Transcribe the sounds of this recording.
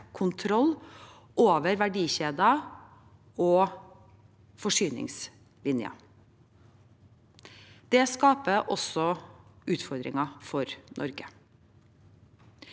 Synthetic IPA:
kʰʊnt̪ʰɾɔl | ʔoːʋəɾʋæɖiːɕeːd̪ɑ | oː | fɔʂyːnɪ̰ŋs | lɪnjɑ̰ | d̪̥ɛskɑːpəʔɔsɔʉːt̪fɔɾd̪ɾɪ̰ŋɑfɔɾnʔɔ̰ɾɡə

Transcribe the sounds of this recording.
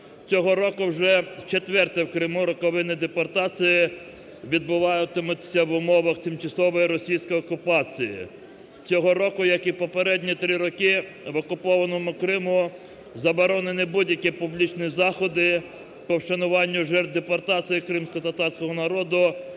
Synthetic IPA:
t͡sʲɔɦɔɾɔkʊwʒɛt͡ʃet̪ʲʋɛrt̪ɛwkɾɪmuɾɔkɔʋɪnɪd̪epɔrt̪ɑt͡sʲijɪ | ʋʲid̪̚bʊʋɑjʊt̪ɪmʊsʲɐʋʊmɔʋɐxt̪ɪmt͡ʃɐsɔʋɔjiɾɔsʲijsʲkɔjɔkʊpɑt͡sʲijḭ | t͡sʲɔɦɔɾɔkʊjɐkipɔpeɾɛdʲnʲit̪ɾɪɾɔkɪ | ʋɔkʊpɔʋɐnɔmʊkɾɪmʊ | zɐbɔɾɔnenɪbudʲjɐkʲipʊblʲit͡ʃnizɑxɔd̪ɪ | pɔwʃɐnʊʋɑnʲːʊʒɛrt̪̚d̪epɔrt̪ɑt͡sʲijikɾɪmsʲkɔt̪ɐt̪ɑrsʲkɔɦɔnɐɾɔd̪ʊ

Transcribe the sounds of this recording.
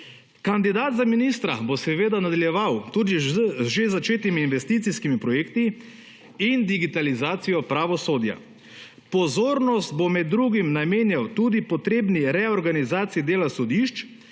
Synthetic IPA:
kand̪id̪aːd̪zaminiːst̪ɾa̰bosɛʋeːd̪anad̪aljɛʋawt̪ud̪iʒezat͡ʃeːt̪imiːnʋɛst̪iːt̪siskimipɾɔjeːkt̪i | ind̪iɡit̪alizaːt̪sijɔpɾaʋɔsoːd̪ja̰ | pɔzoːɾnɔzt̪̚bomɛd̪ːɾuːɡimnameːnjawt̪ud̪ipɔt̪ɾeːbniɾɛɔɾɡanizaːt̪siid̪eːlasɔd̪iʃt͡ʃ

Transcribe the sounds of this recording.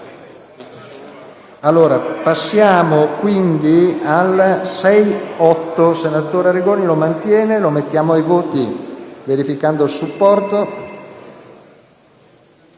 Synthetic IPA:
alːoːɾapasːjaːmokwind̪ialsɛjɔt̪ːosenat̪oːɾeaɾiɡoːnilomant̪jɛːnelomet̪ːjaːmoajvoːt̪iveɾifikand̪oilsupːɔrt̪o

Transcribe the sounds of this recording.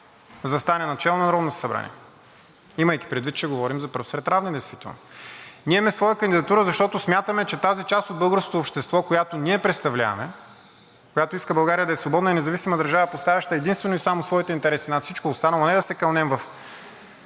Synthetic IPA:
zɐst̪anɛnɐt͡ʃɛlˠonɐɾɔd̪nosɐbɾa̰nʲḭɛ | iməjki̥pɾɛd̪vit̪t͡ʃɛɡovɔɾimzɐpɤɾfsɾɛt̪ɾavnid̪ɛjst̪vit̪ɛ̰lˠnoniɛmɛsvɔjəkɐnd̪id̪ɐt̪uɾəzɐʃt̪ɔt̪ʊsmjat̪əmɛt͡ʃɛt̪azit͡ʃast̪od̪̚bɤlˠɡəɾsko̥t̪oːpʃt̪ɛst̪vɔkojat̪oniɛpɾɛt̪st̪ɐvlʲa̰v̰mɛ | kojat̪oiskəbɐlˠɡaɾiəd̪ɐɛsvobɔd̪nəinɛzɐvisimɐd̪ɐɾʒavəpost̪avʲɐʃt̪əɛd̪inst̪vɛnoisamosvɔit̪ɛint̪ɛɾɛsinat̪sit͡ʃkoːst̪anəlˠonɛd̪ɐsɛkɐlˠnɛmvɐf

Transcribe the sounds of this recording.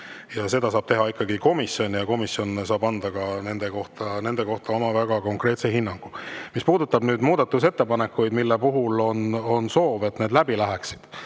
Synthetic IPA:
jɑse̞d̪ɑsɑːb̥t̪e̞ɦɑikːˑɑɡiko̞misjo̞njɑko̞misːjo̞nsɑːbɑnd̪̥ɑɡ̥ɑne̞nd̪̥e̞ko̞ht̪ɑne̞nd̪eko̞ht̪ɑo̞mɑvæɡ̥ɑko̞ŋkɾe̞ːt̪seɦinːɑŋɡ̥umispuːd̪ut̪ːˑɑbnyːd̪muːd̪̥ɑt̪ːˑus̬e̞t̪ːe̞pɑne̞kːˑujd̪milːepuɦulo̞no̞nso̞ːve̞t̪ne̞ːd̪læbilæɦæksi̥d̪̥

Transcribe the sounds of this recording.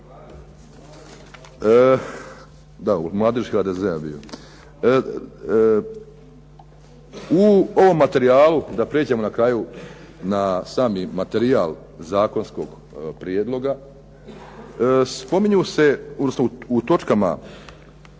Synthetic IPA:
d̪aṵmlˠaːd̪eʒxaːd̪ezeabḭo̰ | uoʋo̞mːat̪e̞ɾiaːlud̪apɾeːd͡ʑemo̞nakɾaːju | nasaːmimat̪e̞ɾiaːl | zaːko̞nsko̞ɡ | pɾijed̪lo̞ɡa | spo̞miɲuse̞od̪nosnout̪o̞t͡ʃkama̰

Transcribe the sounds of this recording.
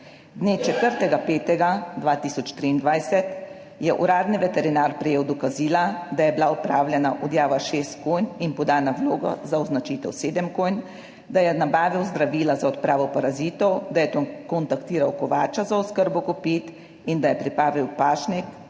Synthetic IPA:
d̪net͡ʃɛt̪əɾt̪ɛɡapeːt̪ɛɡad̪ʋaːt̪iːsɔt͡ʃt̪ɾiːnd̪ʋajsɛt̪ | jɛʔṵɾaːd̪niʋɛt̪ɛɾinaːɾpɾɛjeːwd̪ɔkaziːlad̪ajɛbilaɔpɾaːwlʲjɛnaʔɔd̪jaːʋaʃeːst̪̚kojninpɔd̪aːnawloːɡa̰zaɔznat͡ʃit̪ɛwseːd̪əmkojn | d̪ajɛnabaːʋiwzd̪ɾaʋiːlazaɔt̪pɾaːʋɔpaɾaziːt̪ɔwd̪ajɛkɔnt̪akt̪iːɾawkɔʋaːt͡ʃazaɔskəɾbɔkɔpiːt̪ | ind̪ajɛpɾipaːʋiwpaːʃnik

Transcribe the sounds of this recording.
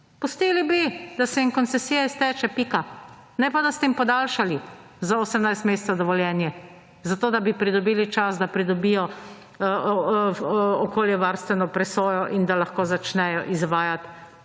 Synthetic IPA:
pɔst̪iːlibid̪asɛiŋkɔnt̪sɛsiːjaist̪ɛːt͡ʃɛpika | nɛpad̪ast̪ɛimpɔd̪aːlʃali | zaoːsɛmnajst̪meːst̪sad̪ɔʋɔljɛːnjɛ | zat̪oːd̪abipɾid̪ɔbiːlit͡ʃasd̪apɾid̪ɔbijɔ | ɔkoːljɛʋaɾst̪ʋɛnɔpɾɛsoːjɔʔind̪alaxkoːzat͡ʃnɛjɔʔizʋaːjat̪

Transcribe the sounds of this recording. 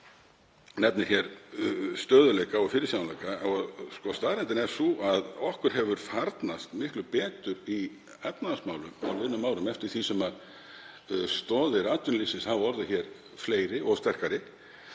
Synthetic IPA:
nɛpnɪɾ̥çɛɾst̪œːðʏlɛjkaɔfɪɾɪsawnljkaɔskɔst̪aːɾɛnt̪ɪnɛɾ̥suaðɔhkʏɾ̥ɦɛvʏɾ̥faɾt̪nast̪mɪhklʏpɛːt̪ʏɾi | ɛt̪naðasmaːwlʏma̰wlɪnʏmːaːwɾʏmɛft̪ɪɾ̥θisɛmað | st̪ɔːðɪɾaːt̪ʏnlisɪnshaðɔɾðʏçɛɾ | fleːjɾɪʔɔɣst̪ɛr̥kaɾɪ

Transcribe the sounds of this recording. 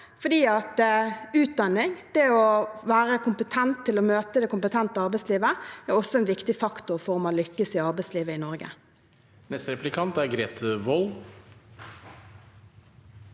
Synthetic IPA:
fɔd̪iːɑt̪ʉːt̪̚d̪ɑnːɪŋd̪̥ɛɔʋæːʁəkʊmpət̪ʰɛnt̪ʰːɪlɔmøːt̪əd̪ɛkʊmpət̪ʰɛnt̪əɑʁbɛɪsliːʋəɛʁɔsːɔɛnʋɪkt̪ɪfɑkt̪ʊʁfɔʁɔmɑnlʏkːəsɪɑʁbɛɪsliːʋəɪnɔɾɡə̰ | nɛst̪ɾɛplɪkʰɑnt̪æɾɡɾeːt̪ʰəʋɔl

